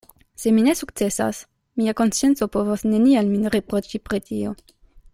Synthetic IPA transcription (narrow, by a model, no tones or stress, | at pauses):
seminesukt̪sesa̰s | miakonsjent̪sopovosnenialminʁepɾot͡ʃipɾet̪io